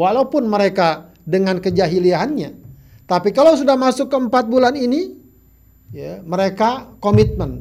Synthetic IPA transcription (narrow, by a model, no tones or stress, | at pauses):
walaupʊnməɾeka | dəŋankəd͡ʒaɦiliaɦanɲa | t̪apikalaws̬udahmasʊkːəəmpat̪̚bulanini | jaməɾekakomit̪̚mən